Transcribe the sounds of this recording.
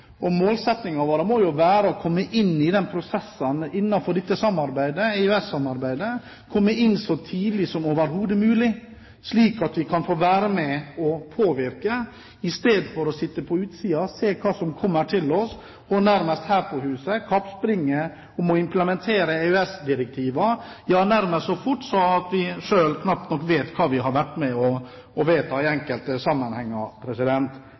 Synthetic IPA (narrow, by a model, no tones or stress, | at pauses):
ɔmoːlsɛt̪nɪŋɑʋoːɾəmoːjʊʋæːɾəɔkʰɔmːəʔɪnːɪd̪ɛnpʰɾʊsɛsːənɪnːɑfɔɖɛt̪ːəsɑmɑɾbæɪd̪əæɪʉɛsːɑmɑɾbæɪd̪ə | kʰɔmːəʔɪnːsɔt̪ʰiːd̪lɪsɔmoːʋəɾɦuːd̪əmʉːlɪ | sliːkɑt̪ʋɪkʰɑnfoːʋæːɾəmɛɔpʰoːʋɪɾkə | ɪst̪eːd̪fɔɾɔsɪt̪ːəpʰɔʉːt̪siːɑseːkʰɑːsɔmkʰɔmːəʈʰɪlɔs | ɔnæɾməst̪hæːɾpʰɔɦʉːsəkʰɑpspɾɪŋːə | ɔmɔɪmpləmɛnt̪ʰeːɾəeʉɛsd̪ɪɾɛk̚t̪ʰiːʋɑ | jɑːnæɾməsɔfʊʈːsɔɑt̪ʋɪʂøːlkʰnɑp̚t̪nɔkːʋeːt̪kʰɑːʋɪɦɑɾʋæʈːmɛɔ | ɔʋeːt̪ɑɪɛŋkəlt̪əsɑmːənhɛŋːɑpʰɾɛsɪd̪ɛnt̪